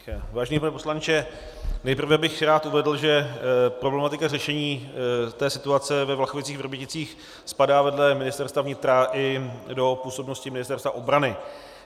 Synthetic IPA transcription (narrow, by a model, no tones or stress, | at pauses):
vaːʒɛniːpanɛpo̞slant͡ʃɛ | nɛjpr̩vɛbɪxɾaːt̪ʔuvɛdl̩ʒɛpɾo̞blɛmat̪ɪkarɛʃɛɲiːt̪ɛːsɪt̪uat͡sɛvɛvlaxovɪt͡siːɣvr̩bjɪcɪt͡siːx | spadaːvɛdlɛmɪnɪst̪ɛrɾst̪vavɲɪt̪ɾaʔɪdo̞puːso̞bnoscɪmɪnɪst̪ɛɾst̪va̰ʔo̞bɾanɪ